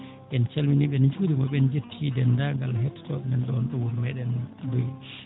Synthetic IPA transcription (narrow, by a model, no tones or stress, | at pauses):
ɛnt͡ʃelminiɓɛnd͡ʒudiɡɔɓɛnd͡ʒetʰːidɛndaŋɡalːahɛtːtɔɗɛnɛnɗɔnɗɔwuɾmɛɗɛnduj